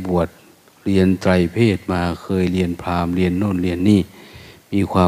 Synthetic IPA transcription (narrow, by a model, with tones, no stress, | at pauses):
bu˨˩ət̪̚ | ɾi˧ənt͡ɕa˧jpʰeː˥˩t̪̚maː˧kʰɤː˧jli˧ənpʰaː˧mli˧ənːoː˥˩˨nli˧ənːiː˥˩miː˧˥˧kʰwaː˧